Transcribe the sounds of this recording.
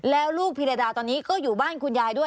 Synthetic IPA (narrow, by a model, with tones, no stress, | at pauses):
lɛː˦˥wluː˥˩k̚pʰi˧nɾa˧daː˧t̪ɔː˧nːiː˦˥kɔː˥˩juː˨˩baː˥˩nkʰu˧njaː˧jdu˥˩əj